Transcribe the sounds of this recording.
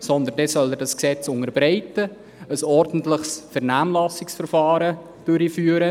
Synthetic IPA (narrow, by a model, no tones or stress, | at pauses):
sɔnd̪əndɛsœlədɑsksɛt͡sʊŋərbɾaɪtə | əsɔrdn̩tləχsfɛɾnaːmlɑsɪksfərfɑːɾə | d̥ʏɾifyːəɾə